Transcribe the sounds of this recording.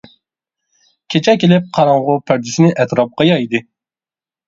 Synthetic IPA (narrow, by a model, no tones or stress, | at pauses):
kʲʰet͡ʃʰɛkʲelɪp̚qʰɑɾɑŋʁʊpʰæɾd̪ɪsɪnɪʔɛt̪ɾɑp̚qɑjɑjid̪ɨ